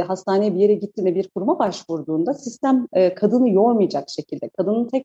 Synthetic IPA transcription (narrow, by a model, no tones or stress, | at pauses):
ɦast̪ʰaːnejibije̞ɾɛɟit̪ʰːiːnd̪ɛbiɾkʰuɾmabaʃvuɾd̪uːnd̪asist̪ʰæmɛːkʰad̪ɯnɯjo̞ɾmɯjad͡ʒakʃe̞cʰilʲd̪ɛkʰad̪ɯnɯnt̪ʰɛc̚